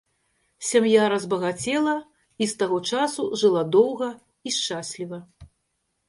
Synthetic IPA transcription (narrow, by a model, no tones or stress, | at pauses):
sʲamjaɾɐzbɐɣat͡sʲɛlˠɐ | ist̪aɣɔt͡ʂasuʐɨlˠad̪ɔwɣɐ | iʂt͡ʂasʲlʲivɐ